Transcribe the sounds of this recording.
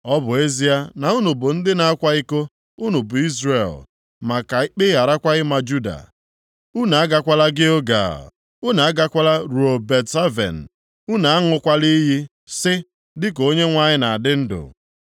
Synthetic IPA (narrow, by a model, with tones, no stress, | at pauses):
ɔ˦bʊ˨e˦zi˦a˦na˨u˦nu˨bʊ˨n̩˦dɪ˦na˨a˦kʷa˦i˦ko˦ | ʊ˦nʊ˨bʊ˨i˦zre˨l | ma˨ka˨˦k͡pɪ˦ja˨ɾa˦kʷa˦ɪ˦ma˨d͡ʒu˦da̰˨ | u˦na˨a˦ɡa˦kʷa˦la˦ɡɪ˦o˦ɡa̰˨ | ʊ˦na˨a˦ɡa˦kʷa˦la˦ɾu˨o˨be˨tsa˦vḛ˨n̩˨ | u˦na˨a˦ŋʊ˨kʷa˦li˦ɦi˦ | sɪ˦ | dɪ˦ko˦ɲe˦ŋʷa˦ɲɪ˦na˨a˨dɪ˦n̩˦dʊ̰˨